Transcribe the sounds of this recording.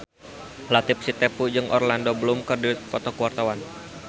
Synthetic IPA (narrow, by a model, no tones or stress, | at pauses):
lat̪ɪp̚sit̪epud͡ʒɨŋʔɔ̰rlandobəlʊmkərdit̪kɔt̪ɔkuwart̪awan